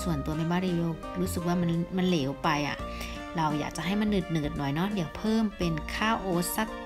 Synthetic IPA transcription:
su˨˩ənt̪u˧ɐna˧jwbaː˧˥˨ɾiː˧loː˧˩ | ɾuː˦˥sɯ˨˩k̚waː˥˩ma˧nma˧˥˨nleː˩˦wpa˧jʔa̰˨˩ | ɾa˧wjaː˨˩k̚t͡ɕa˨˧˦ɦa˥˩jma˧˥nːɯ˨˩t̪̚nɯ˨˩t̪̚nɔ˨˩jnɔ˦˥diː˨˦əwpʰɤː˥˩˨mpe˧nkʰaː˥˩wʔoː˨˦sa˧˩k̚

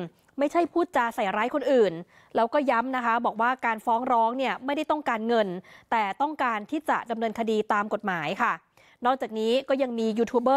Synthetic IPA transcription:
ma˥˩jt͡ɕʰa˥˩jpʰuː˥˩t̪̚t͡ɕa˨˩sa˨˩jɾaː˦˥jkʰo˧nʔɯː˨˩n | lɛː˦˥wkɔː˥˩ja˦˥mna˦˥kʰa˦˥bɔː˨˩k̚waː˥˩kaː˧nfɔː˦˥ŋɾɔː˦˥ŋni˥˩ɐma˥˩jda˥˩jt̪ɔ˥˩ŋkaː˧nŋɤ˧nt̪ɛː˨˩t̪ɔ˥˩ŋkaː˧nt̪ʰiː˥˩t͡ɕa̰˨˩da˧mnɤː˧nkʰa˧diː˧t̪aː˧mko˨˩t̪̚maː˩˦jkʰa˥˩ | nɔː˥˩k̚t͡ɕaː˨˩k̚niː˦˥kɔː˥˩ja˧ŋmiː˧juː˧t̪ʰuː˦˥bɤː˥˩

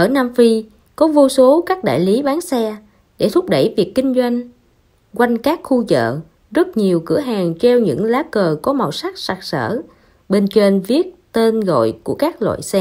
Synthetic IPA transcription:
ʔəː˧˩naː˧mfi˧ | kɔ˨˦vu˧so˨˦kaː˦˥k̚ɗa̰ː˧˨jli˨˦ɓaː˨˦nsɛ˧ | ɗe˧˩t̪ʰʊ˦˥k͡p̚ɗə˧˩jvi˨˩əkːï˧ŋ̟zwa˧jŋ̟ | kwa˧jŋ̟kaː˦˥k̚xu˧zə̰ː˧˨ | zə˦˥t̚ɲi˨˩əwkɨ̰˧˩əɦaː˨˩ŋt͡ɕɛ˧wɲɨ̰˧˥ŋlaː˨˦kəː˨˩kɔ˨˦ma˨˩wsa˦˥k̚sa˨˩k̚sə̰ː˧˩ | ɓe˧nt͡ɕwe˧nvi˦˥ət̚t̪e˧nɣo̰˧˨jku˧˩əkaː˦˥k̚lwa̰ː˧˨jsɛ˧

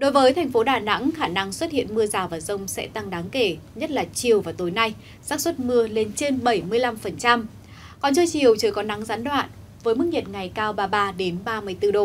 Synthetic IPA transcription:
ɗo˨˦jvəː˨˦jt̪ʰɛ˨˩jŋ̟fo˨˦ɗaː˧˩na̰˧˥ŋxaː˧˩na˧ŋswə˦˥t̚hḭ˧˨ənmɨ˧əzaː˨˩wvaː˨˩zə˧wŋ͡msɛ̰˧˥t̪a˧ŋɗaː˨˦ŋke˧˩ɲə˦˥t̚laː˨˩t͡ɕi˨˩əwvaː˨˩wt̪o˨˦jna˧j | zaː˦˥k̚swə˦˥t̚mɨ˧əle˧nt͡ɕe˧nɓə˧˩jmɨ˧əjla˧mfə˨˩nt͡ɕa˧m | kɔ˨˩nt͡ɕəː˧jt͡ɕi˨˩əwt͡ɕəː˧˩jkɔ˨˦na˨˦ŋzaː˨˦nɗwa̰ː˧˨n | vəː˨˦jmɨ˦˥k̚ɲi˨˩t̚ŋa˨˩jkaː˧wɓaː˧ɓaː˧ɗe˨˦nɓaː˧mɨ˧əjt̪ɨ˧ɗo˧˩

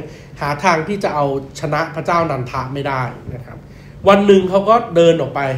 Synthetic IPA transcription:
haː˩˦t̪ʰaː˧ŋt̪ʰiː˥˩t͡ɕa˨˩ʔa˧wt͡ɕʰa˧na˦˥ʔpʰɾa˦˥t͡ɕaː˥˩wnaː˧nt̪ʰa˦˥ʔma˥˩jdaː˥˩jna˦˥kʰɾa˦˥p̚ | wa˧nːɯ˨˩ŋkʰa˦˥wkɔː˥˩dɤː˧nʔɔː˨˩k̚pa˧j

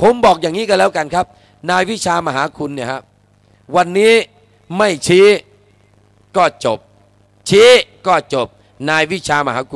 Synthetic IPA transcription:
pʰo˨˦mbɔː˨˩k̚jaː˨˩ŋiː˦˥ka˧lɛː˦˥wka˧nkʰa˦˥p̚ | naː˧jwi˦˥˩t͡ɕʰaː˧ma˧ɦaː˩˦kʰu˧nːi˥˩ɐka˦˥ | wa˧nːiː˦˥ | ma˥˩jt͡ɕʰiː˦˥ | kɔː˥˩t͡ɕo˨˩p̚ | t͡ɕʰiː˦˥kɔː˥˩t͡ɕo˨˩p̚ | naː˧jwi˦˥˩t͡ɕʰaː˧ma˧ɦaː˩˦kʰu˧

